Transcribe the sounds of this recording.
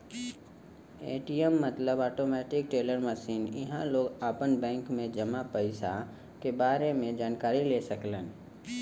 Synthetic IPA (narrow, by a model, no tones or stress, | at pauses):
ḛːʈiəmːɐt̪ləbaːʈoːmɛːʈɪk̚ʈeːləɾməʃiːnɪ̰ɦãloːɡaːpənbɛ̃ːŋkmẽd͡ʒɐmapəɪsa̰ | kebaːɾemẽd͡ʒaːnkaːɾileːsɐklən